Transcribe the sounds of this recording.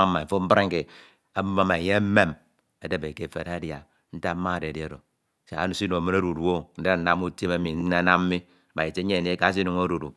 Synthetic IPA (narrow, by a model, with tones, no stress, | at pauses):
a˦mːa˨fo˦m̩˦ba˦ɾe˦ŋ̩˦ke˨ | a˦ma˦ma˨je˦me˦m | a˨de˦be˨ke˨fḛ˨ɾa˦dja˨ | n̩˦ta˦ma˦˨de˨di˦a˦˨do˨ | sḛ˨a̰˦nu˨˦si˦nu˨a˨mɨ˦na˦ɾu˨du˨o˦n̩˦de˦a˨n̩˦na˦mu˦te˦ma˦mi˨n̩˦na˦na˦m̩˦mi˦˨ | ba˨i˨t͡ʃe˦e˦˨ne˦ka˨˦s̬i˦nu˨ŋo˦ɾu˨du˨